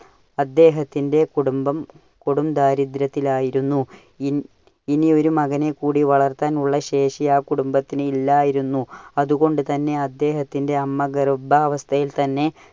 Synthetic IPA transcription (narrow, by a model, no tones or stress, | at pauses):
ɐd̪ːe̞ːɦɐt̪ːinde̞kuɽumbɐm | kuɽumd̪aːɾid̪ɾɐt̪ːilaːjiɾunːu | inio̞ɾumɐɣɐnekːuːɽiʋɐɭɐrt̪ːaːnuɭːɐɕe̞ːʂijaːkuɽumbɐt̪ːinɨilːaːjiɾunːuɐðuɣo̞ɳɖɨt̪ɐnːe̞ɐd̪ːe̞ːɦɐt̪ːinde̞ɐmːɐɡɐrbɐːʋɐst̪ʰɐjilt̪ɐnːe̞